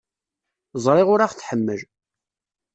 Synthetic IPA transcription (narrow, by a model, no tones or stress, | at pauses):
zˤɾˤɪʁʊɾaχθħəmːəʒ